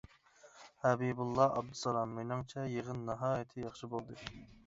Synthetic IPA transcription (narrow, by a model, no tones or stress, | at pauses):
hɛbibulˠːɑɑb̚d̪ɨsɑlˠɑmːenɑŋt͡ʃʰɛjeʁənːɑɦɑːjit̪ʰɪjɑχʃɨbolˠd̪ɨ